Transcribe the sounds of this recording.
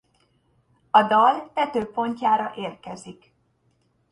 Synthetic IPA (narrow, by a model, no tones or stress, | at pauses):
ɒd̪ɒlt̪ɛt̪øːpo̞ɲcaːɾɒʔeːrkɛzik